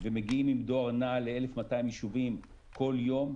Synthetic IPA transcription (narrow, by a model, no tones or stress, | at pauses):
vemeɡiimimd̪oaʁnaleelefmataimjeʃuvim | kʰo̞ljo̞m